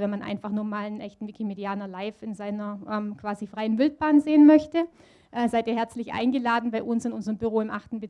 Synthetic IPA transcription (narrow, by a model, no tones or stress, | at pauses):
vɛnmanʔa̰ɪnfaχnuːɐmaːlənʔɛçtn̩vɪkʰimediaːnɐlaɪfɪnzaɪnɐʔɛːmkv̥aːzifʁ̥aɪənvɪlt̚b̥aːnzeːənmœçtə | ʔɛːzaɪtiːɐɦɛɐt͡slɪçʔa̰ɪnɡəlaːdn̩baɪʔʊnsɪnʊnzəʁəmbyʁoːɪmʔaχtn̩bɪ